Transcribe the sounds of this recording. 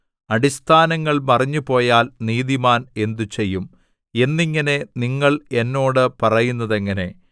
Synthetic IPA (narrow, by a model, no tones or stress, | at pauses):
ɐɽist̪ʰaːnɐŋːɐɭmɐrɐɲːupo̞ːjaːlniːðimaːne̞nd̪ut͡ɕe̞jːum | e̞nːiŋːɐne̞niŋːɐɭe̞nːo̞ːɽɨpɐrɐjunːɐðe̞ŋːɐne̞